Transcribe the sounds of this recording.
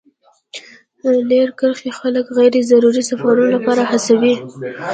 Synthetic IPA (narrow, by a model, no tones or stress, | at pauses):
leɾkəɾxexaləkɣajɾezaɾuɾisafaɾunolapɑɾahasawi